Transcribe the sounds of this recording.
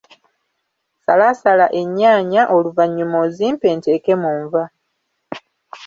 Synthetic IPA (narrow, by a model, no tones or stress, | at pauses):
sa̰lasalaʔe̞ɲːaːɲaʔo̞luvaɲːumoziːmpeːnteːke̞muːɱva